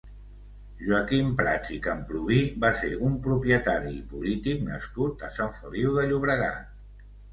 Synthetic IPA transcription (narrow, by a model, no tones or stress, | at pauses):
ʒuəkimpɾat͡ʃikəmpɾuβ̞ibaseʔumpɾupjət̪aɾipulit̪iknə̰skut̪əsaɱfəliwðəʎuβɾəɣ̞a̰t̪